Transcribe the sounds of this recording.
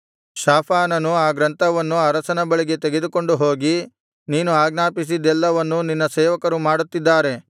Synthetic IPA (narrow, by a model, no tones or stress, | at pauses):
ʃaːpʰaːnɐnuaːɡɾɐnt̪ʰɐʋɐnːuɐɾɐsɐnɐbɐɭiɡe̞t̪eɡed̪uko̞ɳɖuɦoːɡi | niːnuaːɡnaːpis̬id̪ɛlːɐʋɐnːuninːɐsɛːʋɐkɐɾumaːɽut̪ːid̪ːaːɾe̞